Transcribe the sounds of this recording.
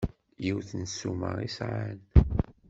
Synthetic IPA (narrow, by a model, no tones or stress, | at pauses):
jiwθənsumə̰ʁisʕan